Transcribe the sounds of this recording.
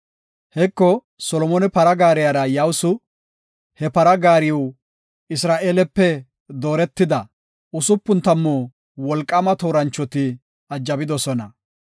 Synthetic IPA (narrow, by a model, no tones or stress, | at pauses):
hɛkːɔ | sɔlɔmɔnɛpɐɾɐɡaːɾɪjaɾɐjawsʊ | hɛpɐɾɐɡaːɾɪjw | ɪsɾaːʔeːlɛpːɛ | d̪o̞ːɾɛt̪ːɪd̪ɐ | ʊsʊpːʊnt̪ɐmːoː | wɔlkʼːɐmɐt̪oːɾɐnt͡ʃːɔt̪ɪ | ɐd͡ʒːɐbɪd̪ɔsɔnɐ